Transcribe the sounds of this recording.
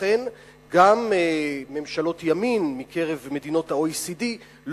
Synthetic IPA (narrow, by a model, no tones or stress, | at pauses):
en | ɡameme̞mʃalo̞t̪jaminmikʰe̞ʁe̞vme̞dino̞thaoisidi | l